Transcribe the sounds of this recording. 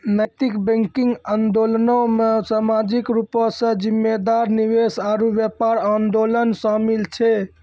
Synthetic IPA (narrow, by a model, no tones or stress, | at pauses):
nəjt̪ikbẽŋkiŋɡand̪olnomesamad͡ʒikɾupsə̃d͡ʒimːed̪aɾniwesaɾubjepaɾand̪olənsamilt͡ʃʰɛ